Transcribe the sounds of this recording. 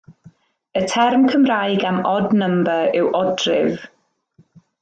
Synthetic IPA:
ətʰɛrmkʰəmrajɡamɔdnəmbəɪwʔɔdrɪv

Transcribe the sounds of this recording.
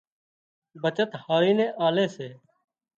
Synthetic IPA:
bət͡ʃət̪haːɾiːnẽːʔaːleːseː

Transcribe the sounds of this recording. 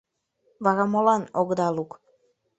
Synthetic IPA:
βɑɣɑmolɑnoɡd̪ɑluk

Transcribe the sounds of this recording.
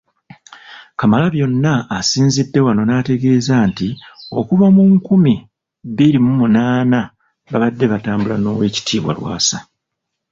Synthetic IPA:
kamalaβjo̞nːaːsiːnzidːe̞wano̞naːte̞ɡe̞ːzaːntio̞kuβamuŋkumi | biɾimumunaːna | βaβadːe̞βataːmbulano̞ːwe̞ːci̥tʰiːβwa̰lwa̰ːsa

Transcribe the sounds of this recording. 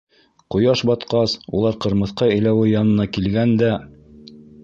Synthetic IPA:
qŏjɑʃbɑt̪qɑsṵlˠɑɾqɤ̆ɾmɤ̆θqɑɘ̆jlæwɘjɑnɤ̆nɑkilɡænd̪æ

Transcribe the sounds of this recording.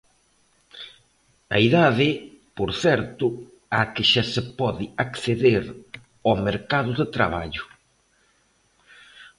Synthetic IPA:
a̰iðaðɪ | poɾθɛɾt̪ʊ | akɪʃasepɔðɪakθeðeɾ | omeɾkaðʊðɪt̪ɾa̰β̞a̰ʎʊ

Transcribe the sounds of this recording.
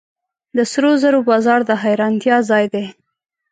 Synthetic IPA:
d̪əsɾozəɾobɑzɑɾd̪əɦajɾɑnt̪jɑzɑjd̪e

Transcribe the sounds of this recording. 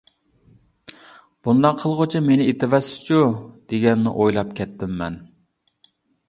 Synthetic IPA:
b̥und̪ɑqʰːəlˠʁʊt͡ʃʰimenɪet̪ʰɪvɛsɪ̥t͡ʃʰud̪̥eɡʲɛnːɪ̰ʔojlˠɑpkʲʰɛt̪ʰːɪmːɛ̰n

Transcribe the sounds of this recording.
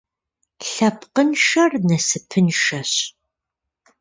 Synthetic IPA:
ɬɐpqənʃɐrnɐsɨpʰɨnʃɐɕ

